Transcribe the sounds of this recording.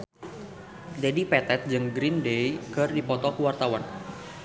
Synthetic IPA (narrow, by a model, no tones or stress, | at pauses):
dɛdipɛt̪ɛt̪̚d͡ʒɨŋɡɾindejkɨrdipɔt̪ɔkəwart̪awan